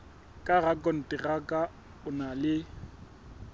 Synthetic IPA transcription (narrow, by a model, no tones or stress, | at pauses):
kʼaɣakʼɔn̩tʼɪrakʼa | ʊnalɪ